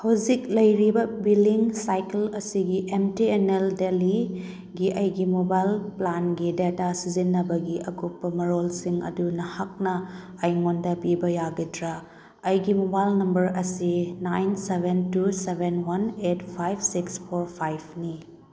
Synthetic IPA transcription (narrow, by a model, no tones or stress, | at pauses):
hɐwzik̚lɐjɾibɐbiliŋsajkelɐsiɡiʔemtieneldeli | ɡiʔɐjɡimobajlplanɡidetasizinːɐbɐɡiɐɡupːɐmɐɾolsiŋɐ̰dunɐhak̚nɐ | ɐjŋondɐpibɐjaɡidɾɐ | ɐjɡimobajlnɐmbɐɾɐsinajnsebʱentusebʱenwɐnetpʰajbsikspʰoɾpʰajb̚ʰni